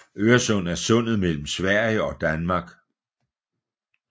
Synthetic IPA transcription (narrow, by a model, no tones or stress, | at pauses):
øːɐsɔ̽n̰æɐsɔ̽n̰ð̞̩ˠmel̰m̩sʋæɐ̰jəɒ̽d̥ænmɑ̈ɡ̥